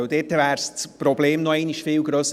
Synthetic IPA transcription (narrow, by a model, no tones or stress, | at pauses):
øld̪eːtːəvæːɾsspɾɔbleːmnɔɛɪniʃfɪːwɡɾøːs